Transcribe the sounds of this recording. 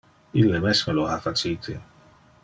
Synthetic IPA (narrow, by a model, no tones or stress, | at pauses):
ilːemesmeloafat͡ʃit̪ʰe